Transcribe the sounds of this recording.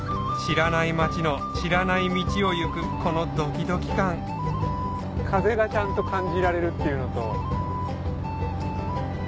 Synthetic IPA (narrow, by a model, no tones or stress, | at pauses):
ɕiɾanaimat͡ɕino̞ | ɕiɾanaimʲit͡ɕio̞jɯkɯ̟ko̞no̞d̪o̞kʲid̪o̞kʲi̥kãŋ | kʰaze̞ɡat͡ɕãnt̪o̞kãɲd͡ʑiɾaɾe̞ɾɯ̟t̪ːe̞jɯ̟no̞t̪o̞